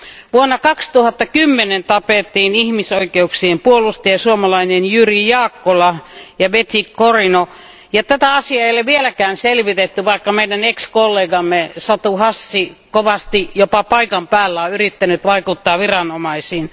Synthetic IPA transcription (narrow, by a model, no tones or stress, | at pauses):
ʋuonːɑkɑkst̪uhɑt̪ːɑkymːenent̪ɑpeˑt̪ːiːnihmisoikeuksiempuolust̪iesuomɑlɑinenjyrijɑːkːolɑjɑʋet̪ikkorino | jɑt̪æt̪æɑsiɑejolːeʋielækæːnselʋit̪et̪ːyʋɑikːɑmeidænekskolːeːɡɑmːesɑt̪uhɑsːikoʋɑst̪ijopɑpɑikɑmpæːlːæoyrit̪ːænyt̪ʋɑikut̪ːɑːʋirɑnomɑisiːn